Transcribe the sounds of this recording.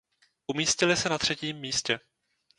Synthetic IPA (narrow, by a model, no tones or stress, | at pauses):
ʔumiːscɪlɪsɛnat̪r̝̥ɛciːmːiːscɛ